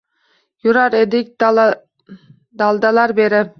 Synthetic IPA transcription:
jʊɾaɾed̪ɪk̚ʲ | d̪alˠd̪alaɾbe̞ɾɪ

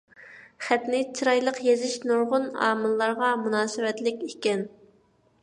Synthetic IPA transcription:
χɛt̪nɪt͡ʃʰiɾɑjlˠəqjezɪʃnuɾʁʊnɑ̰ːmɨlˠːɑɾʁɑmunɑːsɨwɛt̪lɪkʲekʲɛn

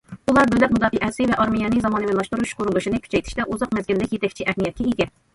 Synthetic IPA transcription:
ulˠɑɾbølɛk̚ʲmud̪ɑːfiʔɛsɪvɛʔɑɾmijɑnɨzɑmɑːnɨmɪnlˠɑʃt̪uɾuʃqʰoɾulˠuʃinɪkʲʰy̥t͡ʃʰɛjt̪ʰi̥ʃt̪ɛʔuzɑqmɛzɡʲilːɪkʲjet̪ɛkʲt͡ʃʰiʔɛhnijɛt̪̚kʲɛiɡʲɛ

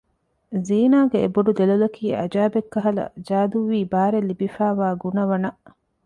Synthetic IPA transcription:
ziːnaːɡeeboɖud̪elɐlɐkʰiːɐ̰d͡ʒaːbekːɐɦɐlɐ̰d͡ʒaːd̪uʋiːbaːɾelːibifaːʋaːɡunɐʋɐnɐ

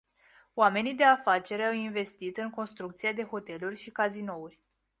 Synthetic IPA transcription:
oame̞nid̪e̞afat͡ʃe̞ɾeawinve̞st̪it̪ɨŋko̞nst̪ɾukt̪sied̪e̞ɦo̞t̪e̞lurʲʃikazino̞urʲ

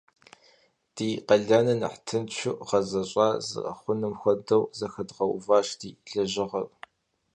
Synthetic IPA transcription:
d̥iːqɐɮanɐnɨ̰ħtʰɨnt͡ʃʰʊʔʁɐzɐɕʼɑːzɨ̰ʔɐ̰χʷʊnɨmxʷɔdɐwzɐxɐdʁɐwʊ̰vaːʃdiːɬɐʑɪʁɐpʼ

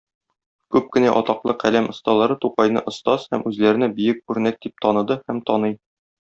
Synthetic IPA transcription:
kʉp̚kɘ̆næʔɒt̪ɑqlˠɤqælæmʔŏst̪ɑlˠɑɾɤt̪uqɑjn̪ɤ̰ʔŏst̪ɑz̥hæmʉzlæɾɘ̆nɘbɘ̆jɘk̚ʉɾnæk̚d̪ip̚t̪ɒnɤ̆d̪ɤhæmt̪ɒnɤj

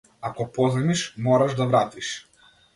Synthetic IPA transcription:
akɔpɔzɛmiʃmɔɾaʒd̪avɾat̪iʃ

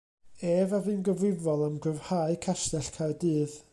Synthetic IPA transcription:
eːvavɨːnɡəvrɪvɔlˠamɡəvhaːɨkʰastɛɬkʰadɨːð

